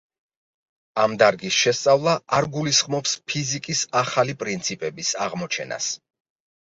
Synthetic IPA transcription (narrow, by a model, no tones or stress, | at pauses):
amd̪aɾɡisʃɛst̪sʼavlˠaaɾɡulisχmɔpspʰizikʼisaχalipʼɾint̪sʰipʼɛbisaʁmɔt͡ʃʰɛ̰na̰s